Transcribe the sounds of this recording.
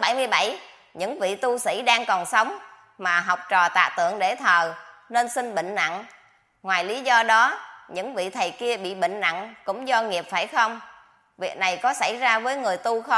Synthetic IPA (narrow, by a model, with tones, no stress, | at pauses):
ɓa˧˩jmɨ˧əjɓa˧˩j | ɲɨ̰˧˥ŋvḭ˧˨t̪u˧sḭ˧˥ɗaː˧ŋkɔ˨˩nsə˨˦wŋ͡m | maː˨˩ɦa˨˩wk͡p̚t͡ɕɔ˨˩t̪a̰ː˧˨t̪ɨ̰˧˨əŋɗe˧˩t̪ʰəː˨˩ne˧nsi˧ŋɓḭ˧˨ŋ̟na̰˧˨ŋ | ŋwaː˨˩jli˨˦zɔ˧ɗɔ˨˦ɲɨ̰˧˥ŋvḭ˧˨t̪ʰə˨˩jki˧əɓḭ˧˨ɓə̰˧˨ŋ̟na̰˧˨ŋkʊ̰˧˥ŋ͡mzɔ˧ŋi˨˩əp̚faː˧˩jxə˧wŋ͡m | vi˨˩ək̚na˨˩jkɔ˨˦sa˧˩jzaː˧vəː˨˦jŋɨ˨˩əjt̪u˧xə˧